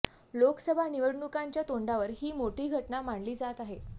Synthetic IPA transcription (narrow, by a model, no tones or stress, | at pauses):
lokəsəbʱaniʋəɽɳukaɲt͡ɕjat̪oɳɖaʋəɾɦiːmoʈiːɡʱəʈɳamaɳliːd͡zat̪aɦe